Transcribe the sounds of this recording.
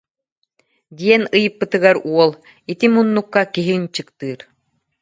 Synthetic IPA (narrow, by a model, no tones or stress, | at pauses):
d̪iɛnɯjɯpːɯt̪ɯɡaɾuɔlˠ | it̪imunːukːakiɦint͡ɕɯkt̪ɯːɾ